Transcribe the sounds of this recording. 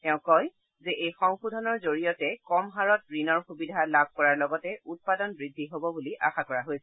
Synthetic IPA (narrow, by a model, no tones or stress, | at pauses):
tɛʊ̃kɔj | zɛʔejxɔŋxudʱɔnɔɹzoɹijɔtɛkɔmɦaɹɔtɹinɔɹxubidʱalab̚ʱkɔɹaɹlɔɡɔtɛʔut̚padɔnbɹidʱːiɦobɔbuliʔa̰xakɔɹaɦojsɛ